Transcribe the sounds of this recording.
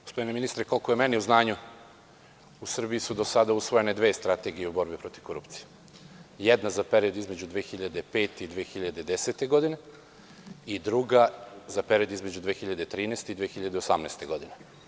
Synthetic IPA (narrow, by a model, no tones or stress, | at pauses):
o̥spod̪ineminist̪ɾeko̞lkojemeniuznaːɲu | usr̩bijisud̪o̞sad̪ausʋoje̞ned̪ʋe̞ːst̪ɾat̪e̞ɡijeubo̞ɾbipɾo̞t̪iv̥ko̞ɾṵpt̪si̥je̥ | jed̪nazape̞ɾiod̪izme̞d͡ʑud̪ʋeːxiʎad̪epe̞ːt̪eid̪ʋeːxiʎad̪ed̪eset̪e̞ɡo̞d̪ine | id̪ɾuɡazape̞ɾio̞d̪izme̞d͡ʑud̪ʋeːxiʎad̪et̪ɾiːnest̪eid̪ʋeːxiʎad̪eosamneːst̪e̞ɡo̞d̪ine